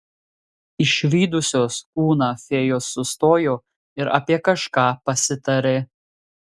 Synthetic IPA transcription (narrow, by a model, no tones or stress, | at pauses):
ɪʃʋʲiːd̪ʊsʲoːskuːnɑːfʲeːjoːsːʊst̪oːjoː | ɪɾɐ̰pʲiɛkɐʃkɑːpɐsʲɪt̪ɐɾʲe